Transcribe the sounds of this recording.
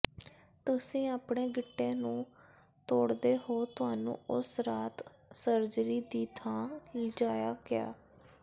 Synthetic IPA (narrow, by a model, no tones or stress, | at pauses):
t̪ʊsĩːaːpɳeːɡɪʈːẽːnũː | t̪oːɽd̪eːɦoːt̪ʊɦaːnṵ̃ːʊsɾaːt̪ | səɾd͡ʒɾiːd̪iːt̪ʰãːld͡ʒaːjaːɡɪja̰ː